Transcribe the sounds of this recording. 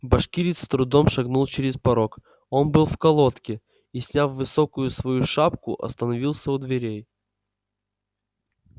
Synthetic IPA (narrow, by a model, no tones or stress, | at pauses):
bɐʂkʲiɾʲɪt̪st̪ɾʊd̪omʂɐɡnulˠt͡ɕɪɾʲɪspɐɾok | o̞nbɨlˠfkɐlˠot̪kʲɪ | isʲnʲafvɨsokʊjʊsvɐjuʂapkʊ̰ʔɐ̰st̪ənɐvʲilˠsʲəʊd̪vʲɪɾʲej